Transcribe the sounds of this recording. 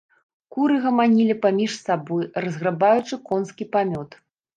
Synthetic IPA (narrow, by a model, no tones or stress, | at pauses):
kuɾɨɣɐmanʲilʲipamʲiʂsabɔjrɐzɣɾabajut͡ʂɨkɔnskʲipamʲɔt̪